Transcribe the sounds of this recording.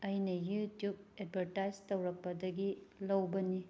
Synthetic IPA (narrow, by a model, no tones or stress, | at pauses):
ɐjnɐjutjub̚ed̚bʱɐɾtajd͡ʒtɐwɾɐk̚pɐdɐɡilɐwbɐni